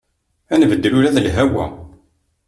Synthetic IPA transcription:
ænvəd̪ːəɾuɾæðəlɦæwæ̰

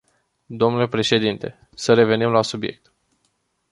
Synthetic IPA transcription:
d̪o̞mnule̞pɾe̞ʃe̞d̪int̪e̞ | səɾe̞ve̞nimlasubje̞̰k̚t̪

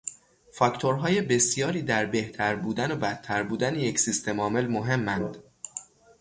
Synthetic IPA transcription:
fɒct̪ʰo̞ɾɦɒːjebe̞sjɒːɾiːd̪æɾbe̞ht̪ʰæɾbuːd̪ænobæt̪ʰːæɾbuːd̪ænejecsist̪ʰe̞mɒːme̞lmoɦe̞mːænd̪̥

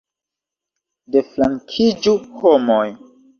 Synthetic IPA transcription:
deflaŋkʰid͡ʒuhomoj

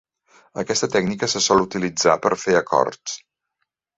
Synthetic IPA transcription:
əkɛst̪ət̪ɛɡnikəsəsɔlˠut̪ilid͡zapəɾfeəkɔ̰rtt͡s

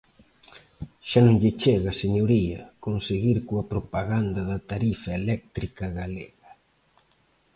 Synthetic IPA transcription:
ʃanõŋʎɪt͡ʃeɣɐseɲoɾiɐkonseɣiɾkoɐpɾopaɣand̪ɐðɐt̪aɾifɐelɛk̚t̪ɾikɐɣaleɣɐ

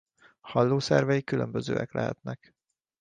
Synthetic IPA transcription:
hɒlːoːsɛrvɛjikːylømbøzø̰ːɛklɛɦɛ̰t̪nɛk

